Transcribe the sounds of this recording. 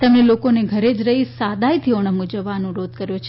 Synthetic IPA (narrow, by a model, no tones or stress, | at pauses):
t̪əmnelokoneɡʱəɾed͡ʒɾəɦisad̪ʱajt̪ʰioɳ̃əmud͡ʒəʋːanũɾod̪̚ʱkəɾjõt͡ʃʰe